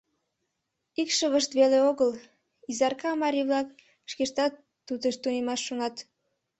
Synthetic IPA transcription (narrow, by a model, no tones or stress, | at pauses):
ikʃəβəʃt̪βeleoɣəl | izɑrkɑmɑɾʲiβlɑk | ʃkeʃt̪ɑt̪ːud̪eʃt̪unʲemɑʃːonɑt̪